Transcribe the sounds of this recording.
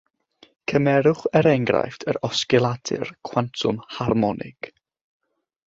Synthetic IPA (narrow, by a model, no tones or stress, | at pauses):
kʰəmɛɾʊχɛɾɛŋɡra̰jftʰəɾɔskɪlˠadʰɪ̰rkʰwantʰʊmharmɔnʔɪ̰ɡ̥